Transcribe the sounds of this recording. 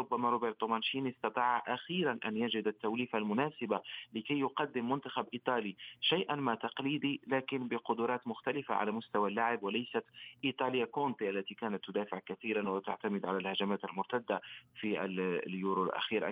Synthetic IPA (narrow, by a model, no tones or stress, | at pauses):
ɾʊbːæmaɾˤobeɾt̪ˤːomɑnʃiːnist̪ɑt̪ˤɑːʕʔaxiːɾanʔæ̰njad͡ʒɪd̪at̪ːawliːfalmʊnæːsɪbalɪkæjːʊqɑd̪ːɪmːʊnt̪axabʔiːt̪ˤɑːliʃajʔanmat̪ɑqliːd̪ilæːkɪnbɪqʊd̪ʊɾˤɑːt̪mʊxt̪alɪfa̰ʕa̰læmʊst̪awalːaʕɪbwɪlæjsat̪ʔit̪ˤɑlɪjːakont̪ˤiʔalːæt̪ikæːnat̪ːʊd̪aːfɪʕkaθiːɾanwɪt̪aʕt̪amɪd̪ʕalælhaʒamaːt̪əlmʊɾt̪ad̪ːafiʔlljuɾolʔa̰xiːɾ